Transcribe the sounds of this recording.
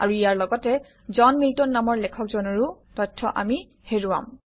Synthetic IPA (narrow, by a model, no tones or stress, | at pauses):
a̰ɹuijaɹlɔɡɔtɛ | zɔnmiltɔnːamɔɹlɛkʰɔkzɔnɔɹutɔjtʰːɔ̰ʔa̰mi | heɹuwa̰m